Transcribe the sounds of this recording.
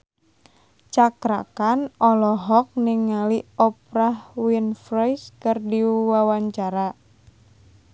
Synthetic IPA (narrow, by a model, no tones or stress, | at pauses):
t͡ʃakɾa̰kanɔlɔɦɔk̚nɪŋaliɔpɾahwinfɾɔjskərdiwawaɲt͡ʃaɾa